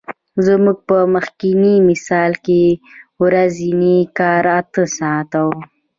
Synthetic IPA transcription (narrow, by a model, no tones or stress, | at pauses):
zəmuɡ̚pəməxkinimɪsɑlkewɾazinikɑɾat̪əsɑt̪aw